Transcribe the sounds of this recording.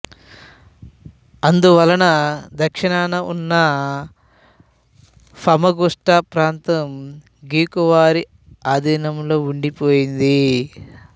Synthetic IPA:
ɐnd̪uʋɐlɐnɐd̪ɐkʂiɳaːnɐunːɐ | pʰɐmɐɡuʂʈapɾaːnt̪ɐm | ɡiːkuʋaːɾi | aːd̪ʱiːnɐmlo̞ːuɳɖipoːjind̪i

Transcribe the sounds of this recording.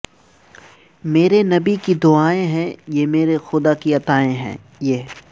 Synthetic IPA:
meːɾenɐbikid̪ʊaːẽɦɛ̃jeːmeːɾexʊd̪akiɐt̪aːẽɦɛ̰̃ː | jeː

